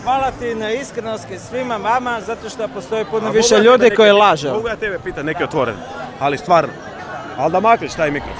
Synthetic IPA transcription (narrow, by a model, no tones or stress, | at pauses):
xʋalat̪inaiskɾenost̪t̪isʋimamamazat̪oʃt̪opost̪o̞jipunoʋiʃeʎuːd̪ikkojlaʒeoɡojaːt̪ebepiːt̪amnekiot̪ʋoɾḛn | alist̪ʋaːɾno̰ | ald̪amakliʃt̪aːjmikɾof